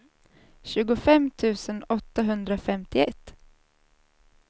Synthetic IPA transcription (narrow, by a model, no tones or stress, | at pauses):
ɕʉ̟ːɡʊfɛmt̪ʰʉ̟ːsənɔt̪ːaɦɵnd̪ɾafɛmt̪ɪɛt̪ː